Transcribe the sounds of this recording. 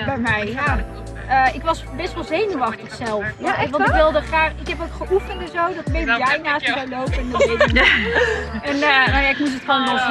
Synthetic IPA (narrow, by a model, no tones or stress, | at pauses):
bɛjmɛjja | əɪkʋɑsbɛstʋəlˠzejnuʋɑχtəχsɛlˠfɛʋɑntɪʋɪlˠdəχraːχɪkɦɛpowkχəʔufəntɛnzowdɔtmejdəjɛjnaːstməzawlowpəɛnəɪtə | ɛnnowjaɪkmut̬ətχɔndɔs